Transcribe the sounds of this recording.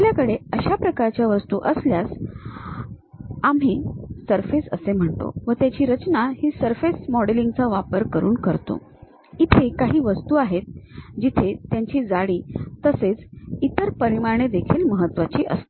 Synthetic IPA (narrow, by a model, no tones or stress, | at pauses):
ljakəɽeəɕapɾəkaɾt͡ɕjaʋəst̪uːʔəsljas | am̤iːsəɾfesəsem̤əɳt̪o̰ʋət̪jat͡ɕiːɾət͡ɕnahiːsəɾfesmɔɽeliŋɡt͡səʋapəɾkəɾuːnkəɾt̪o̰ | it̪ʰekaɦiːʋəst̪uːaɦet̪̚d͡ʑit̪ʰet̪jaɲt͡ɕiːd͡zaɽiːəset͡sit̪əɾpəɾimaɾɳ̃ed̪ekʰiːlməɦət̪ːʋat͡ɕiːʔə̰st̪o